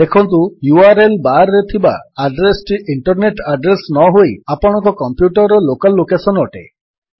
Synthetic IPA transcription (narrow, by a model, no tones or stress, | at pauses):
d̪ekʰɔnt̪̬ujuaɾelbaɾːet̪ʰibaːɖɾesʈiʔiɳʈɔɾneʈaɖɾesnɔɦoiapɔɽ̃ɔŋkɔkɔmpjuʈɔɾɔlokalːokesɔnɔʈḛ